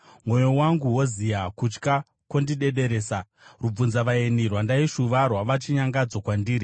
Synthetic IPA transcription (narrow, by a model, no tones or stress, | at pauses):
mwo̞jo̞waŋɡuɦo̞zijakut͡ʃka | kwondiɗe̞ɗe̞ɾe̞ːsa | rub͡vunzaʋaenirwandaiʃuʋarwaʋat͡ʃiɲaŋɡad͡zo̞kwandiːɾi